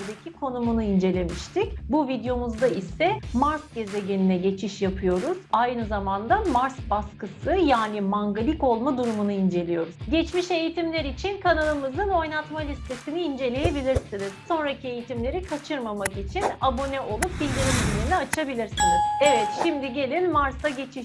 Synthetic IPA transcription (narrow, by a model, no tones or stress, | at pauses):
d̪ecʰikʰo̞numunuind͡ʒe̞lʲe̞miʃt̪ʰicbuvid̪jo̞muzd̪aisɛmaɾsɟe̞zeɟe̞ninɛɟe̞t͡ʃʰiʃjapʰɯjo̞ɾuz̥ajnɯzamand̪amaɾsbaskɯsɯjaːnimaŋɡalʲiko̞lˠmad̪uɾumunuind͡ʒe̞lʲijo̞ɾuzɟɛt͡ʃmiʃe̞jit̪ʰimlʲeɾit͡ʃʰinkʰanalˠɯmɯzɯno̞jnat̪malʲist̪ʰe̞siniind͡ʒe̞lʲe̞je̞bilʲiɾsiniz̥so̞nɾacʰie̞jit̪ʰimlʲe̞ɾikʰat͡ʃʰɯɾmamakit͡ʃʰinabo̞nɛʔo̞lˠup̚bilʲd̪iɾimilʲiniat͡ʃʰabilʲiɾsiniz̥evɛt̪ʃimd̪iɟe̞lʲinmaɾsaɟe̞t͡ʃʰiʃ